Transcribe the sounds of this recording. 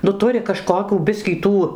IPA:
nʊ ˈtʊrʲɪ kɐˈʃkoːkʲuː ˈbʲɪsʲkʲiː ˈtuː

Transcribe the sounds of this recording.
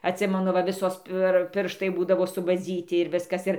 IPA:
ɐtʲˈsʲɪmʲɛnʊ ʋɐ ˈʋʲɪsoːs pʲɪr ˈpʲɪrʃtɐɪ ˈbuːdɐʋoː sʊbɐˈd͡zʲiːtʲɪ ɪr ˈʋʲɪskɐs ˈɪr

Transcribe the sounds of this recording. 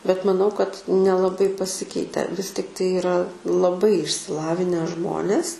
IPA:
bʲɛt mɐˈnɐʊ kɐt nʲɛlˠɐˈbɐɪ pɐˈsʲɪkʲɛɪtʲɛ ʋʲɪs tʲɪkˈtɐɪ ɪˈrɐ lˠɐˈbɐɪ ɪʃʲsʲɪˈlˠɑːʋʲɪnʲæː ˈʒmoːnʲeːs

